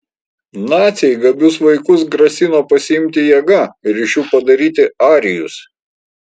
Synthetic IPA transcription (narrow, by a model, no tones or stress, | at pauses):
nɑːt̪sʲɛɪɡɐbʲʊsʋɐɪkʊs̬ɡɾɐsʲɪnoːpɐsʲɪɪmʲt̪ʲɪjɛɡɐɪɾɪʃjuːpɐd̪ɐɾʲiːt̪ʲɪɑːɾʲɪjʊs